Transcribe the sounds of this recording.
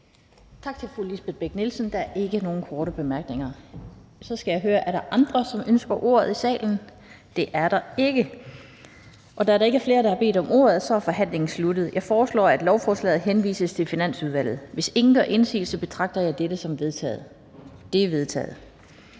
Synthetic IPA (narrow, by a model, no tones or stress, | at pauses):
t͡sʰɑ̈ɡ̥̚t͡sʰe̝lfʁulisb̥ed̚ˠb̥eɡ̥nelsnd̥ɑ̈æɐʔe̝ɡ̥əno̝ːn̩kʰɒːɾəb̥e̝mæɐɡ̥ne̝ŋɐ | sɒ̽sɡ̥æjɑ̈ɪɦøːɐʔæɐɾɑʔɑ̈nd̥ʁɐsɒ̽mønsɡ̥ɐʔo̝̰ɐ̰ðˠisɛ̰ːln̩ | d̥e̝ʔæɐɾ̥ɑ̈e̝ɡ̥ə | ʔɒ̽d̥ɑæɐɾɑ̈e̝ɡɐfle̝ːɐɾ̥ɑ̈hɑ̈b̥e̝̰ːd̥ɒ̽mʔo̝̰ːɐð̞̩ˠsɒ̽æɐfɒ̽ɦæn̰le̝ŋn̩slud̥ð̩ˠjɑ̈ɪfɒːslɒ̰ːæd̥lɒʊfɒːslɛ̰ːð̩ˠɦenʋḭːsəst͡sʰe̝lfinæn̰suðˠʋæl̰ð̩ˠʋe̝se̝ŋn̩ɡ̥ɶɐʔe̝nsḭːlsɒ̽b̥e̝t͡sʰʁɑ̈ɡ̥̚d̥ɐjɑ̈ɪd̥eɾəsɒ̽me | d̥e̝ʋe̝ð̞ˠt͡sʰɛ̰ːð̩ˠ